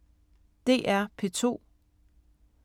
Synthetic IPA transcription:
d̥e̝̰ːʔæɐpʰe̝t͡sʰo̝̰ː

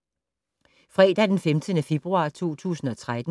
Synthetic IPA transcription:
fʁɛ̰ːd̥æd̥enfemd̥ənəfe̝b̥ʁuɑ̈ːt͡sʰo̝̰ːt͡sʰṵːsn̩ɒ̽t͡sʰʁad̥n̩

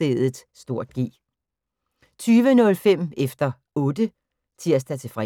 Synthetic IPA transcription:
eð̩ˠsd̥o̝ɐ̰d̥̚ɡ̥ḭː | t͡sʰyːʋənɔ̽lfem̰efd̥ɐ | ɔ̽ːd̥ə | t͡sʰiɐ̰sd̥æt͡sʰe̝fʁɛ

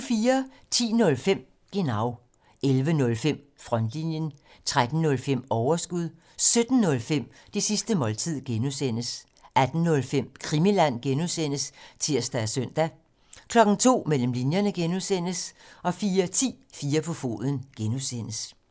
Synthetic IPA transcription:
fiːɐt͡sʰḭːnɔ̽lfem̰ | ɡ̥enɑ̈ʊ | elʋənɔ̽lfem̰ | fʁɒ̽nd̥linjən | t͡sʰʁad̥n̩ːɔ̽lfem̰ɒʊɐsɡ̥uð̰ˠ | sød̥n̩ːɔ̽lfem̰ | d̥esisd̥əmɒ̽lt͡sʰið̞̰ˠɡ̥enusen̰əs | ʔæd̥n̩ːɔ̽lfem̰kʰʁimilæn̰ɡ̥enuðˠsen̰əst͡sʰiɐ̰sd̥æsøn̰d̥æ | kʰlɒ̽ɡ̥n̩t͡sʰo̝̰ːmel̰m̩linjɐnəɡ̥enuðˠsen̰əsɒ̽fiːɐt͡sʰḭːfiːɐpʰɒ̽fo̝̰ːðˠən̩ɡ̥enusen̰əs

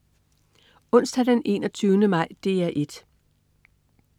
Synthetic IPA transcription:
ɔ̽n̰sd̥æd̥ene̝̰ːnɒt͡sʰyʊnəmɑ̈ɪ̰d̥e̝̰ːæʔe̝d̥

